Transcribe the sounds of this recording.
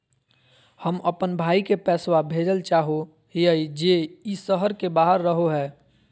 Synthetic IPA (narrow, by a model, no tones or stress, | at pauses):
həməpənbʱaːikepɛːswabʱeːd͡ʒəlt͡ʃaːɦo | ɦijəid͡ʒeisəɦəɾkebaːɦəɾːəɦoɦɛː